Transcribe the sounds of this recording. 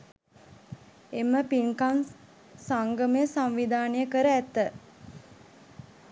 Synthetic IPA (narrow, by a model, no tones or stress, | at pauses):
eməpiŋkaŋ | saŋɡəməjəsamʋid̪ʱaːnəjəkəɾəæt̪ːə